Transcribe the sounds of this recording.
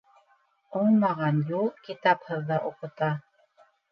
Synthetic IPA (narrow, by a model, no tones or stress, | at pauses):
omɑʁɑnjukit̪aphəðːaʔoqət̪ɑ